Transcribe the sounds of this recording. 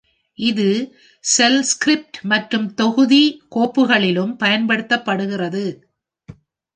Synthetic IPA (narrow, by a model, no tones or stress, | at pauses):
ʔɪðɯ | sɛlskɾɪp̚ʈmɐʈrɯmt̪ɔɣɯðikoːpːɯɣɐɭɪlɯmpɐjɐnpɐɽɯt̪ːɐpːɐɽɯɣɪrɐðɯ